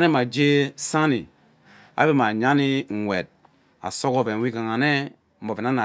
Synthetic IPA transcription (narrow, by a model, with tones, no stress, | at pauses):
ne˦ma˨d͡ʒe˦sa˦nḭ˨ | a̰˦be˦ma˨ɲa˦ni˦ŋ̩˨ŋʷe˨t̚ | a̰˨so˦ko˦ve˨n˨wi˦ka˨ŋa˨ne˦ | m̩˨bo˨ve˨na˦na˨